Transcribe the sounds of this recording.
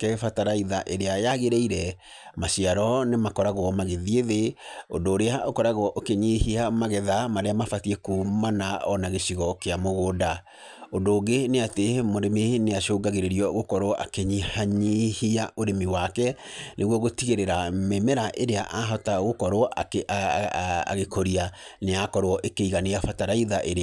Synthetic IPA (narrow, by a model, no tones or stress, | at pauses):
kɛfataɾaiðaʔeɾeajaɣeɾeiɾɛ | maʃiaɾɔnemakɔɾaɣwɔmaɣeðieðeo̰ndoːɾeaokɔɾaɣɔʔokeɲihiamaɣɛðamaɾeamafatiekumanaɔnaɣeʃiɣɔkeamoɣoːda | ondoːɡeneatemoɾemeneaʃoːɡaɣeɾeɾiɔɣokɔɾɔʔa̰keɲihaɲihiaʔoɾemiwakɛnʔeɣwɔɣotiɣeɾeɾamemɛɾaʔeɾeaʔaɦɔtaɣokɔɾwɔake | a̰ɣekʰoɾia | neakɔɾwɔʔekeiɣaneafataɾaiðaʔeɾe